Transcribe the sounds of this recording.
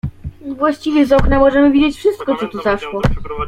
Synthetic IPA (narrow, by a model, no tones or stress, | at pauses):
vwaɕt͡ɕivʲjɛzɔknamɔʐɛmɘvʲid͡ʑet͡ɕfʂɘst̪kɔt̪ɔt̪uzaʂwɔ